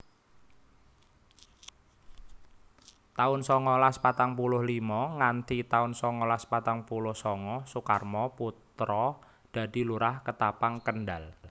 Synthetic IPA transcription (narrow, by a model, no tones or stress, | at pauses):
t̪aʊnsɔŋɔlaspat̪aŋpulʊhlimɔŋant̪it̪aʊnsɔŋɔlaspat̪aŋpulʊhsɔŋɔsukarmɔput̪ɾɔ | d̪̥a̤d̪̥i̤luɾahkət̪apaŋkənɖal